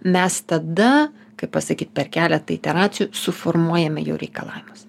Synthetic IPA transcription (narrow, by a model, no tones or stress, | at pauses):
mʲɛst̪ɐd̪ɐ | kɐɪppɐsɐkʲiːt̪̚pʲɛrkʲæːlʲɛt̪ɐɪt̪ʲɛɾɑːt̪sʲɪjuːsʊformuɔjɛmʲɛjɛ̰ʊɾʲɛɪkɐlˠɑ̰ːʋʲɪmʊs